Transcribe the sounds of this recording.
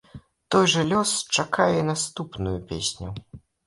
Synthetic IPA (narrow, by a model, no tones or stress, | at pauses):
t̪ɔjʐɐlʲɔst͡ʂakajɛnast̪upnujupʲḛsʲnʲu